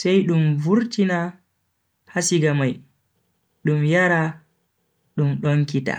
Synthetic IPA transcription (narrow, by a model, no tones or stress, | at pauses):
sɛjɗumvuɾtina | hasiɡamaj | ɗumjaɾa | ɗumɗɔŋkita̰